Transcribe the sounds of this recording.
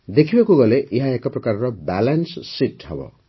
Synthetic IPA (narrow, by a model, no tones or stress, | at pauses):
d̪ekʰibekuɡʌleʔiɦaekaprʌkaɾrʌbalanssiʈɦʌbʌ̰